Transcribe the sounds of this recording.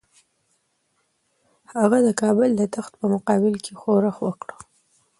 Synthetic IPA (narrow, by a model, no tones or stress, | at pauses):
haɣad̪əkɑbʊld̪ət̪axt̪̚pəmʊqɑbɪlkʰexoɾaxwəkɽə